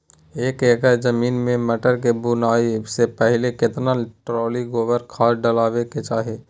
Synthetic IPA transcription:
eːkeːkəd͡ʒəmiːnmẽməʈəɾk̬ebunaːisepɛɦɪlekɪt̪naʈɾɔːliɡoːʋəɾkʰaːɖəlaːʋeket͡ʃaːɦeː

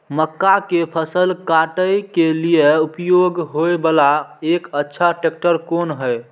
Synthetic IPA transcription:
məkːakepʰəsəlkaʈəjkelijeupjoɡɦojbəlaekətːʃʰaʈek̚ʈəɾkonɦəj

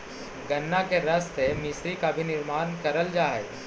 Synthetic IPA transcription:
ɡɐnːakeɾɐst̪emɪsɾikabʱinɪɾmaːnkɐɾəld͡ʒaːe

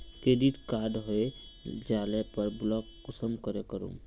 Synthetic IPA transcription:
ked̪it̪kaːd̪ɦoe | d͡ʒaːlepəɾblɔkː | ʊsəmkəɾekəɾṵ̃m

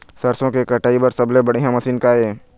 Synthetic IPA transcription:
sɐɾsõkekɐʈaːibɐɾsɐblebɐɽiɦãmɐsiːnkaːeː

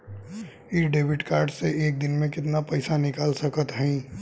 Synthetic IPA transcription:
iːɖeːʋɪʈkaːɾɖseʔeːk̚d̪ɪnmẽkɪt̪napɐɪsanɪkaːlsɐkət̪ɦɛ̃

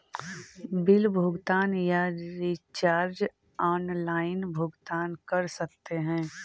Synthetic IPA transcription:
bɪlbʱʊɡt̪aːnjaɾit͡ʃaːɾd͡ʒ | ɔːnlaːɪnbʱʊɡt̪aːnkɐɾsɐk̚t̪eɦɛ̃ː

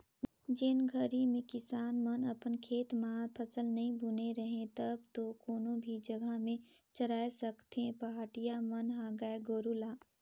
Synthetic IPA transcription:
d͡ʒɪnɡʱɐɾimẽkɪsaːnmənɐpənkʰeːt̪mãːpʰɐsəlnɐɦĩbʱʊneɾɐɦẽt̪ɐb̚t̪okoːnõbʱid͡ʒɐɡʱəmẽ | t͡ʃɐɾaːesɐkt̪ɦẽpɐɦaːʈijamɐnɦaːɡaeɡoːɾulaː

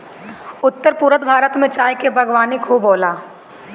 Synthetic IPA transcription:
ʊt̪ːəɾpuːɾət̪bʱaːɾət̪mẽt͡ʃaːjkebʱɐɡwaːnikʰoːboːlaː

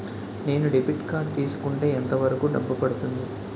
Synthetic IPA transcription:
ne̞ːnuɖipiʈkaːɾɖ̚t̪iːsu̥kuɳʈeːɐnt̪ɐʋɐɾɐkuːɖ̪ɐmbɐpɐɽut̪und̪i

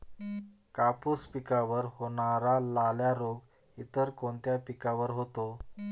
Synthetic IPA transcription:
kapuspikaʋəɾhoɳ̃aɾalaljaɾoɡ | it̪əɾkoɳt̪japikaʋəɾɦot̪o

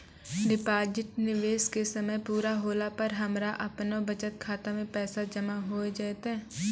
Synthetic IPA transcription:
ɖɪpaːd͡ʒɪʈnɪʋeːskesɐməjpuːɾaɦoːlapəɾɦɐmɾaʔɐpnobɐt͡ʃət̪̚kʰaːt̪amẽpɛːsad͡ʒɐmaɦoːed͡ʒaːt̪ɦɛ̃ː

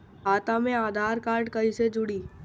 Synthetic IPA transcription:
ɦaːt̪amẽaːd̪ʱaːɾkaːɾɖkɐised͡ʒʊɽiː

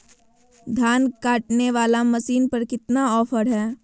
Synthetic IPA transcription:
d̪ʱjaːnkaːʈneʋaːlamɐsiːnpəɾkɪt̪naɔːfʰəɾɦɛː

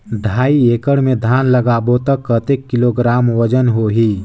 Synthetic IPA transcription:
d̪ʱaːieːkəɽmẽd̪ʱaːnləɡaːbot̪əkːət̪ekːɪloɡɾaːmwəd͡ʒənɦoɦi

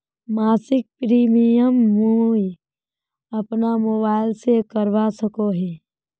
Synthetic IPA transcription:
maːsɪk̚pɾiːmijəmːuː | ɐpnamoːbaːɪlsekəɾʋasəkoɦeː

